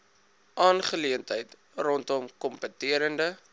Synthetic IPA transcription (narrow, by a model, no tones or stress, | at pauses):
ʔɑːnχəliəntəjt | rɔntɔmkɔmpətiəɾəndə